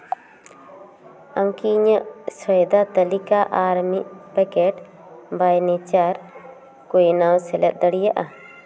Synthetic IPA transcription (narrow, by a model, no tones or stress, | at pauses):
aŋkiɲəʔsɔjd̪at̪əlikaʔaɾmiʔpɛkɛʈ | bajnit͡ʃaɾ | kujnawsɛlɛt̪̚ˀd̪əɽijaʔa